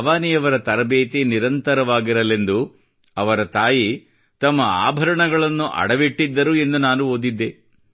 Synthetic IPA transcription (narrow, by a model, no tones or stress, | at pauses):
ʋaːnijɐʋɐɾɐt̪ɐɾɐbeːt̪iniɾɐnt̪ɐɾɐʋaːɡiɾɐle̞nd̪u | ɐʋɐɾɐt̪aːji | t̪ɐmːɐa̰ːbʱɐɾɐɳɐɡɐɭɐnːuʔɐ̰ɽɐʋiʈːid̪ːɐɾue̞nd̪unaːnuoːd̪id̪ːe